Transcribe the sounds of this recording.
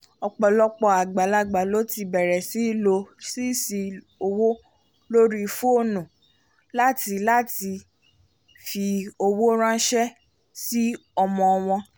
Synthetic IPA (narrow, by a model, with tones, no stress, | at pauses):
ɔ˧k͡pɔ˧lɔ˦k͡pɔ˧a˨ɡ͡ba˨la˧ɡ͡ba˨lo˦ti˧bɛ˨ɾɛ˨si˨˦˨lo˧si˦si˧ | o˧wo˦ | lo˦ɾi˦fo˦o˦˨nũ˨ | la˦ti˧la˦ti˧ | fi˧o˧wo˦ɾ̃ã˦ʃɛ˦ | si˦ɔ˧mɔ̃˧w̃ɔ̃˧